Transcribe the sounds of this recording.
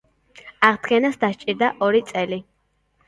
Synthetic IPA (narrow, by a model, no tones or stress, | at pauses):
aʁd̪ɡɛnasd̪aʃt͡ʃʼiɾd̪aʔɔɾit̪sʼɛli